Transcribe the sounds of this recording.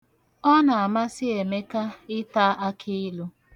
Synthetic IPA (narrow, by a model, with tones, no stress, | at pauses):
ɔ˦na˨a˨ma˦sɪ˦e˨me˦ka˦ɪ˦ta˦ʔa˦kʰɪ˦ɪ˦lu˦